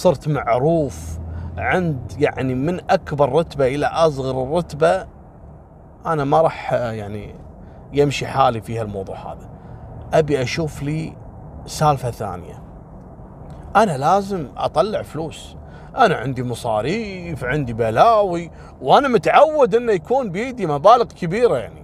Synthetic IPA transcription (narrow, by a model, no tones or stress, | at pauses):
sˤɨɾt̪maʕɾuːfʕɪnd̪jaʕnimɪnʔakbɑɾˤːɑt̪baʔɪlaʔɑsˤɣɑɾˤɨrˤːɑt̪ba | ʔanamɑɾˤɑːħjaʕni | jɪmʃiħaːlifiːhalmɑwðˤṵːʕha̰ːða | ʔabiʔaʃuːfliː | saːlfaθa̰ːnɪja̰ | ʔanalaːzɪmʔɑ̰t̪ˤɑlːɪʕfluːs | ʔana̰ʕɪnd̪imɑsˤɑ̰ːɾiːfʕɪnd̪ibaːlaːwi | wʔanamʊt̪ʕawːad̪ʔɪnːajakuːnbjiːd̪imabaːlɪɣkɪbiːɾajaʕni